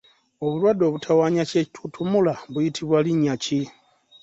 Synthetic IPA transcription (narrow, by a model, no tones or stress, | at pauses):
o̞βulwado̞ːβutʰawaːɲace̞ci̥tʰutʰumulaβujitʰiβwaliɲːaci